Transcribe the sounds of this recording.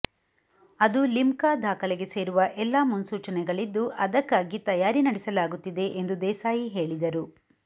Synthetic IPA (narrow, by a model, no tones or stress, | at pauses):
ɐd̪ulimkaːd̪ʱaːkɐlɛɡe̞se̞ːɾuʋɐʔɛlːaːmunsuːt͡ʃɐnɛɡɐɭid̪ːuʔɐd̪ɐkːaːɡit̪ɐjaːɾinɐɽɛsɐlaːɡut̪ːid̪e̞ʔend̪ud̪ɛːsaːjiɦe̞ːɭid̪ɐɾu